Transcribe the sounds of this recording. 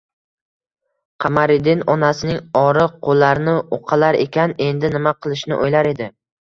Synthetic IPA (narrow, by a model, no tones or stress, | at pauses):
qʰɑmaɾɪd̪ɪnɒnasɪnɪŋɒɾɪqʰolˠːaɾnɪoqʰɑlaɾe̞kʲʰane̞nd̪ɪnɪmaqʰɨlˠɪʃnɪʔojlaɾe̞d̪ɪ